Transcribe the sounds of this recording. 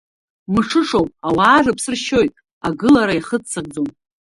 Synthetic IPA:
mɨʂʰɨʂo̞wpʼawaːrɨpʰsɨrʃo̞jtʼ | aɡɨlaɾajχət͡st͡sʰːaɡ̚d͡zowm

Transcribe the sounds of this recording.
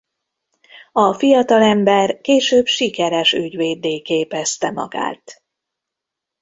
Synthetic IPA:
ɒfijɒt̪ɒlɛmbɛrkeːʃøːbʃikɛɾɛʃyɟʋeːd̪eːkeːpɛst̪ɛmɒ̰ɡa̰ːt̪

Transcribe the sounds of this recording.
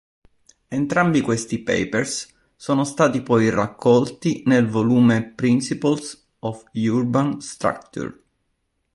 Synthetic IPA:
ent̪ɾambikwest̪ipɛ̰jpers | soːnost̪aːt̪ipɔjrakːɔlt̪inelvoluːmepɾinsipals | ɔfjurbanst̪ɾa̰kt̪ṵr

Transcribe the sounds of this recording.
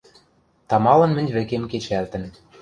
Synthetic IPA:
t̪ɑmɑlɤ̆nmɘ̆nʲβɘ̆kemket͡ɕælt̪ə̆n

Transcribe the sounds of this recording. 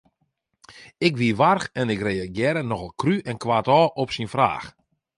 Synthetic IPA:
ɪkʋiəʋarxɛnɪkreːaɡjɛːɾənɔɣəlˠkryʔɛnkwʋaːtɔːʔɔpsinfra̰ːx

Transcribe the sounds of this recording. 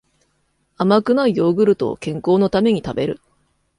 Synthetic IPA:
amakɯ̟naijo̞ːɡɯ̟ɾɯ̟t̪o̞̰kẽ̞ŋko̞ːno̞t̪ame̞ɲ̟it̪abe̞ɾɯ̟̰

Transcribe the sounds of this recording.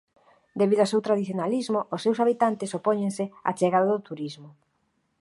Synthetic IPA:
d̪eβiðʊasewt̪ɾaðiθjonalizmʊʔʊsːewsaβit̪ant̪ɪsopɔɲẽŋsɪa̰t͡ʃeɣaðaðʊt̪uɾizmʊ

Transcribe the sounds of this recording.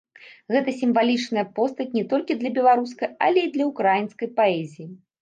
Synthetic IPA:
ɣɛt̪ɐsʲimvalʲit͡ʂnɐjɐpɔst̪ɐt͡sʲnʲɛt̪ɔlʲkʲid̪lʲɐbʲɛlˠaɾuskɐjɐlʲɛid̪lʲɐukɾajinskɐjpaɛzʲiji

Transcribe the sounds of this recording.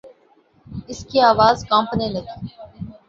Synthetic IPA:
ɪskiaːʋaːzkãːmpnẽlɐt̪i̥ː

